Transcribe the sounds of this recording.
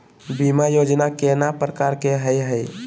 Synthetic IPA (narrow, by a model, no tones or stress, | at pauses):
bimajoːd͡ʒnakenapɾəkaɾkeɦəjɦəj